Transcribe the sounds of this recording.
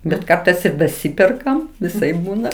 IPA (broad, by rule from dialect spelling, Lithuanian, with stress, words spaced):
bʲɛt ˈkɐrtɐɪs ɪr dɐˈsʲɪpʲɛrkɐm ʋʲɪˈsɐɪp ˈbuːnɐ